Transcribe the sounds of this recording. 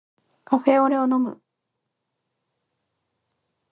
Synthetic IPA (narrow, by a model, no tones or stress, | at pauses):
kʰaɸe̞ːo̞ɾe̞o̞no̞mɯ̟̰